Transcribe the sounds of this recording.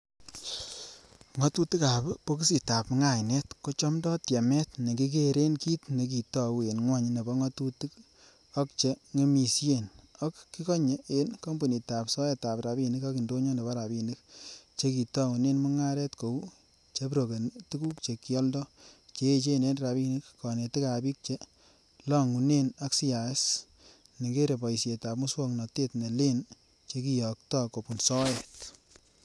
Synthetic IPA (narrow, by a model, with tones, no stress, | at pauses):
ŋɔ˨˦tu˦ti˦ka˨bpo˦k̬i˦si˨ta˨pŋa˦˨jnɛ˦tko˦t͡ʃɔ˦mdɔ˦tja˨mɛ˦tne˨ki˦k̬e˦ɾe˦nki˦tne˨k̬i˨tɔ˦˨we˨nŋwa˦ɲ˦ne˨bɔ˦ŋɔ˦tu˦ti˦k | ɔ˦k̚t͡ʃe˨ŋe˦mi˨sje˦˨nɔ˦kːi˦kɔ˦ɲe˨e˨nko˦mbo˨ni˨ta˨psɔ˦je˦ta˨pɾa˨bi˦˨ni˦ka˦ki˨ndo˦ɲɔ˦ne˨ba˦ɾa˨bi˦ni˦kt͡ʃe˦ki˨tɔ˦ŋu˨ne˦nmu˦ŋa˦ɾɛ˦tko˨w | t͡ʃe˦p̬ɾo˨ke˨ntu˦ku˦k̚t͡ʃe˨ki˦ɔ˦ldɔ˦t͡ʃe˦e˦t͡ʃe˦ne˨˦nɾa˨bi˦ni˦kkɔ˨ne˨ti˦ka˨bi˦k̚t͡ʃe˦ | lɔ˦ŋu˨ne˦na˦ksi˦ja˨˦s | ni˨ɡe˦ɾe˨pɔ˨i˨sje˨ta˨p̚mu˦swɔ˦knɔ˨te˦tne˨le˦n | t͡ʃe˧˦ki˦jɔ˨k̚tɔ˦ko˨pu˨nsɔ˦jɛ˨t